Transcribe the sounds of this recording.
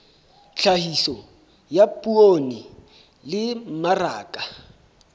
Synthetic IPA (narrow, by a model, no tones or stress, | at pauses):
ɬʰahisɔ | japʼuoni | lɪm̩maraːkʼa